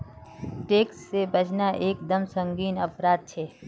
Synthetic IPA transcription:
ʈeːksːebɐd͡ʒnaʔeːk̚d̪əmsə̃ŋɡiːnɐpɾaːd̪̚t͡ʃʰeː

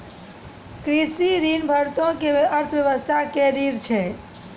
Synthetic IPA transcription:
kɾisiɾinbʱəɾt̪õkeʋeʔəɾt̪ʰəʋjəʋəst̪ʰakeɾiɾt͡ʃʰɛ

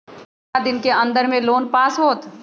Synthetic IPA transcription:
ad̪ɪnkeɐ̃nd̪əɾmẽloːnpaːsɦoːt̪

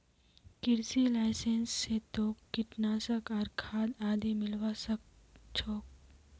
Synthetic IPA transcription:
kɪɾsilaːɪseːnsːet̪oːkkːɪʈnaːsəkɔːɾkʰaːd̪aːd̪imɪlwasəkt͡ʃʰɔːk̚

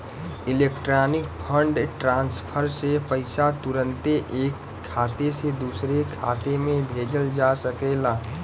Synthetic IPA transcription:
ɪleːkʈɾaːnɪkpʰəɳɖʈɾãːnspʰəɾsepəɪsat̪ʊɾə̃nt̪eʔeːkʰːaːt̪esed̪uːsɾekʰa̰ːt̪emẽbʱeːd͡ʒəld͡ʒasəkelaː

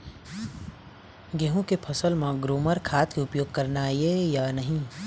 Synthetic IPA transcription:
ɡeɦũkepʰəsəlmãɡɾoːməɾkʰaːt̪keʊpjoːɡ̚kɐɾnajejaːnəɦĩ

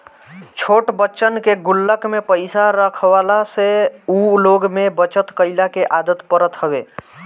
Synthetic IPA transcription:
t͡ʃʰoʈbətːt͡ʃənkeɡulːəkmepəɪsaɾəkʰbalaseuloɡmebət͡ʃət̪kəɪlakeʔad̪ət̪pəɾət̪ɦəbe

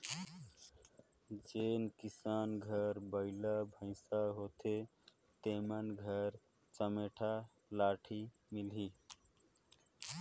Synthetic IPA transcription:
d͡ʒenkisaːnɡʱəɾbəɪlabʱə̃ɪ̃saɦot̪ʰe | t̪emənɡʱəɾ | t͡ʃəmeʈʰa | laʈʰi | milɦi

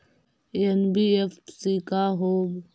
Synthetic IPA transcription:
enbiːefsiːkaːɦoːb

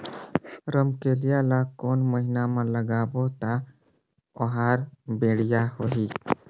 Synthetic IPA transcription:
ɾəmkelijalakoːnməɦinamãləɡaːbot̪a | ɔɦaːɾbeːɽijaɦoɦiː

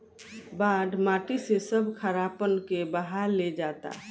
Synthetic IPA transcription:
baːɖʱmaːʈisesəbkʰəɾaːpənkebəɦaɾled͡ʒat̪a̰

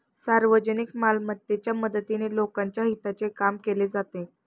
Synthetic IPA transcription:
saɾʋəd͡ʑənikmalmət̪jet͡ɕjaməd̪ət̪inelokãɲt͡ɕjaɦit̪at͡sekamkeled͡zat̪e

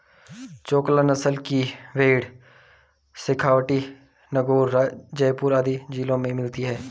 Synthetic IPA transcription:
t͡ʃoːklənəsəlkiʋeːɽ | sɪkʰaːwʈi | nəɡoːɾad͡ʒɐjpʊːɾad̪id͡ʒiːlõmẽmɪlt̪iɦɛː

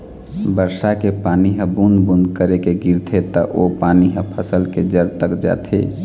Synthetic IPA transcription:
bəɾsakepaniɦə̃bund̪bund̪kəɾekeɡiɾt̪ʰet̪əʔopaniɦə̃pʰəsəlked͡ʒəɾt̪əkd͡ʒa̰t̪ʰḛ

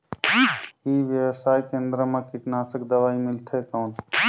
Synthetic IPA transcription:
iʋjəʋsaːikẽːnd̪ɾəmẽkɪknaːsəkd̪əʋaːimɪlt̪ʰekaːn

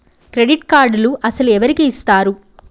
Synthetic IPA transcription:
kɾeɖiʈkaːɾɖluʔɐsɐluɛʋɐɾikiːst̪aːɾu

